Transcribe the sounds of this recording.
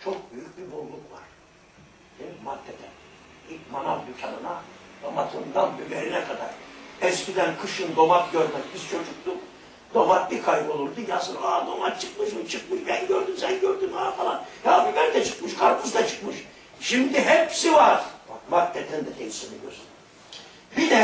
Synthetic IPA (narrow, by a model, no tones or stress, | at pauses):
t͡ʃʰok̚byjyc̚bibuɾlˠukvaɾ̥ | d̪̥emimat̪ʰːɛd̪ʰɛn | ilcmanavˠd̪ycʲʰanɯnad̪omat̪ʰɯnd̪anbybeɾinɛkʰad̪aɾ̥ɛzbid̪ænkʰɯʃɯnd̪o̞mak̪̚ɟøɾmɛcbizt͡ʃʰo̞d͡ʒuk̚t̪uk | d̪̥o̞mat̪likʰajbolˠuɾd̪ujasɯnad̪o̞mat̪t͡ʃʰɯkmɯʃmɯt͡ʃʰɯkmɯʃbænɟøɾd̪ymsænɟøɾd̪ymafalˠanhabibæɾd̪ɛt͡ʃʰɯ̥kmɯʃkʰaɾpʰuzd̪at͡ʃʰɯ̥kmɯʃ | ʃimd̪iɦɛpsivaɾ̥mat̪ːɛd̪ʰɛnd̪ɛd̪emisenḭɡøsn | bid̪ɛ